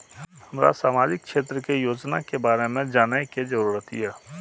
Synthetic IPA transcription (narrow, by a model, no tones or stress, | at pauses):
həmɾa̰saːmaːd͡ʒɪk̚kʃeːt̪ɾəkejoːd͡ʒnakebaːɾemẽd͡ʒaːnəked͡ʒəɾuːɾət̪ḭjɛː